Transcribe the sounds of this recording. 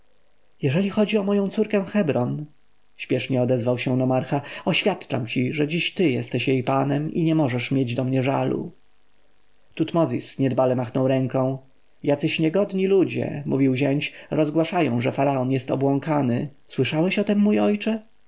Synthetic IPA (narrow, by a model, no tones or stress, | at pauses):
jɛʐɛlʲixɔd͡ʑiɔmɔjɔ̃w̃t̪suɾkɛ̃w̃xɛbɾɔn | ɕpʲjɛʂɲɛɔd̪ɛzvawɕɛnɔmaɾxaɔɕfʲjat̪t͡ʂa̰mt͡ɕiʐɛd͡ʑiɕt̪ɘjɛst̪ɛɕjejpanɛmḭɲɛmɔʐɛʂmʲjed͡ʑd̪ɔmɲɛʐa̰lṵ | t̪ut̪mɔzʲḭsɲɛd̪balɛmaxnɔ̃wɾɛŋkɔ̃w̃ | jat̪sɘɕɲɛɡɔd̪ɲilud͡ʑɛ̰muvʲiwʑɛɲt͡ɕɾɔzɡwaʂajɔ̰̃w̃ʐɛfaɾaɔnjɛst̪ɔ̰bwɔ̃ŋkanɘswɘʂawɛɕɔt̪ɛmːujɔjt͡ʂɛ